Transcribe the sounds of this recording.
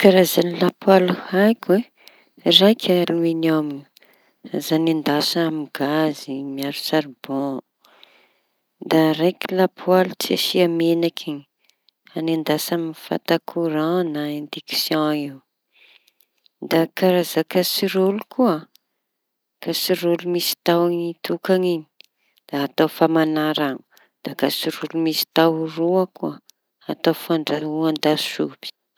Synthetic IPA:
kaɾazanilapualuhajkʲwe | rajkʰʲaluinamini | azanind̪asamiɡazimiaɾusaɾib̥o | d̪aɾajkʲilapʰualut͡sa̰siamenakʰi | anand̪asaminifa̰t̪akʰuɾãnaẽnd̪iksjɔ̃iw | d̪akaɾazakasiɾolukua | kasiɾolumisi̥t̪awaŋit̪ukaɲiɲi̥ | d̪̥aːt̪ofamanaɾaŋu̥ | d̪̥akasiɾulumisi̥t̪awruakuə | at̪ofaɳɖ͡ʐauand̪asubi̥

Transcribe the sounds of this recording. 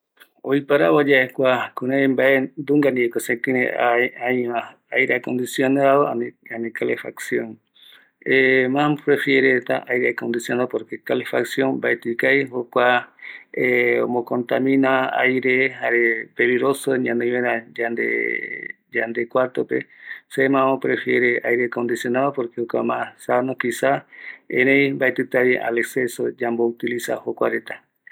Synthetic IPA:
oipaɾaβad͡ʒaekʷakunembaend̪uŋɡaniekosẽk̪inḛaajma | ajɾeakond̪isjonaðoananikalefa̰ksjoŋ | emapɾefjeɾet̪a̰ʔajɾeakond̪isjonaopoɾkekalefaksjoŋbaet̪ikajhokʷa | eo̰mokont̪amĩnaa̰jɾehaɾepeliɡɾosoɲãnd̪eẽɾad͡ʒand̪ḛ | d͡ʒand̪ekwaɾt̪opḛsemãmopɾefjeɾeʔajɾekond̪isjonaðopoɾkehokʷamãsanokisaḛ̃ɾẽjmbajt̪ɨt̪aβʔa̰leksesod͡ʒambout̪ilisa̰hokʷa̰ɾet̪ḁ

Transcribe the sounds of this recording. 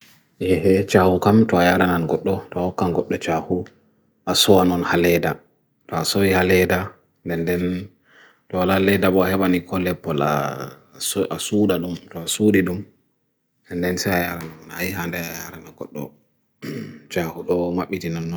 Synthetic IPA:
jɛhɛt͡ʃahukamtɔajaɾananɡɔɗːɔtɔhɔkːanɡɔɗːɔt͡ʃahu | ʔasɔwanɔnhalɛda | tɔasowihalɛda | ndɛndɛn | tɔwalalɛdaɓɔahɛɓanikʰɔlɛpːɔla̰ | asudaɗumtɔasuːdiɗum | ɛndɛnsɛjajaɾananɔnajiɦandɛajaɾanaɡɔɗːɔ̰ | t͡ʃahuɗɔmaɓːitinanːɔ

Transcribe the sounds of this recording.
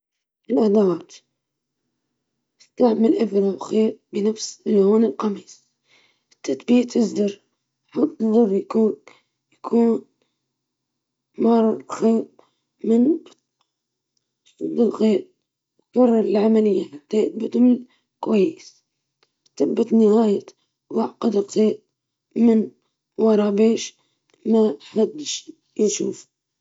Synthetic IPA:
ʔɪlʔad̪ɑːt̪ | ʔɪst̪aʕmalʔafɾawxeːɾ̚bɪnafsɪlːoːnɪlqɑmiːs | ɪt̪ːat̪biːt̪ʰɪzd̪ɑɾ | ħɑt̪ˤːðˤɑrˤːjakuːn | jakʰuːn | mɑɾˤɑlxeːb̚ | mɪn | sˤɑd̪ːɪlɣeːt̪̚ | tːɑrˤːɑlʕamalɪjːaħat̪ːajɪt̪̚bɪt̪ml | kwajːɪs | t̪ɪbːat̪nɪhaːja | wɑʕqɑd̪ɪlɣeːt̪̚ | mɪn | wɑɾˤɑbeːʃ | maħad̪ːʃ | jʃṵːf

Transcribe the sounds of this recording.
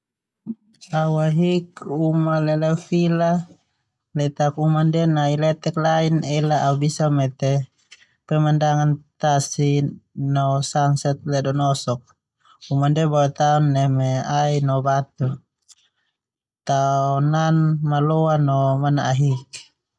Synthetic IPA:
auaɦik̚umalɛlɛfila | lɛt̪akumandɛnailɛt̪ɛklainɛlaʔaubisamɛt̪ɛ | pɛmandaŋant̪asinɔsansɛt̪̚lɛdɔnɔsɔk̚ | umandɛbɔwɛt̪aɔnːɛmɛainɔbat̪u | t̪aɔnanmalɔanɔmana̰ʔaɦik̚

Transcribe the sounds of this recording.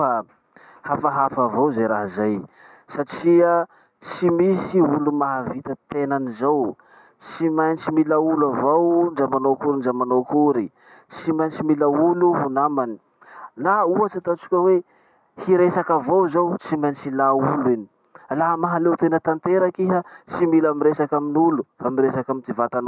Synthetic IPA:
a | hafaɦafavowzajɾaɦazaj | saʈ͡ʂiə | t͡simisiulumaɦavit̪ət̪enanizaw | t͡simajnt͡ʃimilaulavowɳɖ͡ʐamanokuɾiɳɖ͡ʐamanokuɾi | t͡simant͡ʃimilauluɦunamani̥ | nauat͡sat̪at͡si̥kʲəwe | hiɾesakavowzawt͡simajnt͡ʃilaulini | laɦamaɦalewt̪enət̪ant̪eɾakiɦət͡similamiɾesakaminulufamiɾesakamint̪ivat̪ano

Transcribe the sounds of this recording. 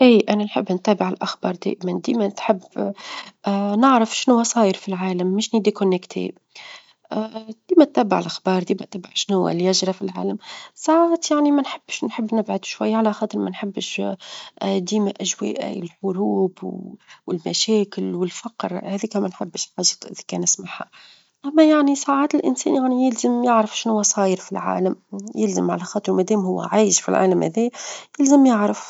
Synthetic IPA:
ʔiːʔananħɪbːnt̪æːbɪʕɪlʔaxbɑ̰ːɾˤd̪ḛːʔɪmand̪iːmæt̪ħɪbː | nɪʕɾafʃnhʊwːasˤɑːjɪɾfilʕaːlamːɪʃnɪd̪ikʊnːɪkt̪ʰḛ | ʔd̪̥iːmæt̪ːæːbɪʕɪlʔaxbɑːɾˤd̪iːmæt̪ːæːbɪʕʃnhʊwːa̰ljaʒɾˤɑfilʕa̰ːlamsˤɑʕɣt̪jaʕnimanħɪb̥ːʃnħɪbːnɪbʕad̪u̥ʃwajːaʕalaxɑːt̪ˤɨɾˤmanħɪbːʃ | d̪iːmaʔæʒwɛ̰ːʔɪlħʊɾuːbwwɪlmæ̰ʃɛːkɪlwɪlfɑqɾhæðiːkæmænħɪbːʃlħɑʒɑt̪ˤʔɪðækɛːnʔæsmaħa | ʔæmːæjaʕnisˤaːʕaːt̪ɪlʔɪ̰nsɛ̰ːnjaʕnijɪlzəmjaʕɾafʃɪnhʊwːæsˤɑːjəɾfilʕa̰ːlæmjɪlzəmʕa̰læxɑːt̪ˤɨɾwmæd̪ɛːmhʊwːæ̰ʕaːjʃfḭlʕa̰ːlæmhæ̰ðɛːjɪlzəmjaʕɾaf

